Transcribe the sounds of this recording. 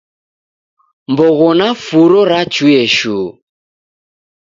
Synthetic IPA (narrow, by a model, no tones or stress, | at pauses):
mbɔɣɔnafuɾɔɾat͡ʃuɛʃu